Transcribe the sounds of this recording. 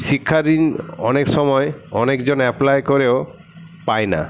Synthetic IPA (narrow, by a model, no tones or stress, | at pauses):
ʃikʰːaɾinɔ̰nekʃɔmɔeɔnekd͡ʑonɛplajkoɾeo | paena̰